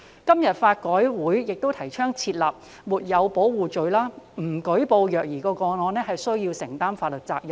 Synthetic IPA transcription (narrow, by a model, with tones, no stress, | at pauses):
kɐ˥mjɐ˨t̚faː˧t̚kɔː˨˥jwuː˨˥jjɪ˨k̚t̪o˥wt̪ʰɐ˨˩jt͡ʃʰœː˥ŋt͡sʰiː˧t̚laː˨p̚ | muː˨t̚jɐ˨˧wpo˨˥wwuː˨t͡ʃɵ˨ɥlaː˥m̩˨˩kɵ˨˥jpo˧wjœː˨k̚jiː˨˩kɔː˧kɔː˧nɔː˨˧nɛː˥ɦɐ˨jsɵ˥ɥjiː˧wsɪ˨˩ŋt̪aː˥mfaː˧t̚lɵ˨˩k̚t͡saː˧k̚jɐ˨˩